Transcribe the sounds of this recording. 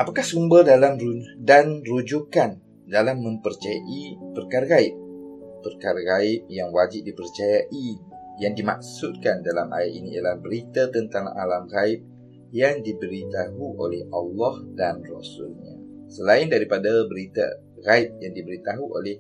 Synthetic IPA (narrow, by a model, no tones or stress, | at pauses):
ʔapakahsumbərdalamrudanrud͡ʒukan | dalamːə̃mpərt͡ʃajaʔipərkaɾaɣaip̚ː | ərkaɾaɣaɪp̚jaŋwad͡ʒɪp̚dipərt͡ʃajaʔi | jaŋdimak̚sut̪̚kandalamʔa̰jat̪̚inia̰jalahbəɾit̪at̪ənt̪aŋa̰lamɣaip̚ | jaŋdibəɾit̪aɦuʔolɛhʔɑlːɑhdanrɔsṵlɲa̰ | səlaindaɾipadabəɾit̪a̰ | ɣaip̚jaŋdibəɾit̪aɦuʔo̰lɛh